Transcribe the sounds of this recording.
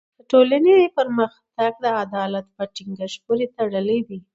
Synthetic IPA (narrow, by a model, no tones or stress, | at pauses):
d̪̥əʈolanepəɾməxt̪aɡ̚d̪əad̪ɑlat̪pəʈiŋɡaʃpuɾet̪aɽəlewi